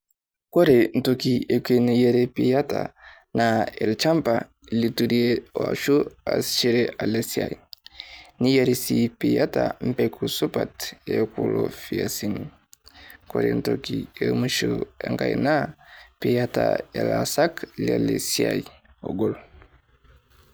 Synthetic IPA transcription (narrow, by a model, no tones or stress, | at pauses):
koɾen̩tokiekenijeɾepijata | naelt͡ʃampa | lituɾieoaʃua̰st͡ʃiɾeʔalesiai | nijaɾisipijatam̩pɛkʰusupatekulofiasin | koɾentokiemuʃueŋɡajnapijataelasaklialesiaj | oɡɔl